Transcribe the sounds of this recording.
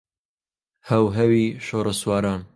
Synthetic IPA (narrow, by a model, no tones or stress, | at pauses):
hɐwɦɛwiːʃoːɾɐswɑːɾaːn